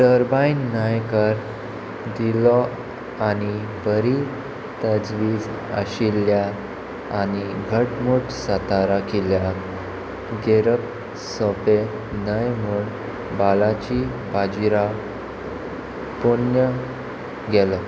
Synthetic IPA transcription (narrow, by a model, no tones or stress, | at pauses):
dəɾbainːəjkəɾ | d̪ilɔ | añi | bəɾi | t̪əd͡zʋiːd͡z | ə̰ɕilja | aniɡʱəʈmuʈsət̪aɾakilja | ɡeɾəp | sɔpe | nəjmuɳ | balat͡ɕi | bad͡ʑiɾa | punjə | ɡɛlɔ